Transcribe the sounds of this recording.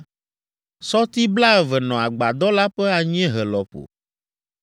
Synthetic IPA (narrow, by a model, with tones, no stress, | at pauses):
sɔ˦t̪i˦bla˦ɛ˨vɛ˨nɔ̃˨a˨ɡ͡ba˨d̪ɔ˦la˦ɸɛ˦a˨ɲ˦ɛ̃˦ɦɛ˨lɔ˨ɸo̰˨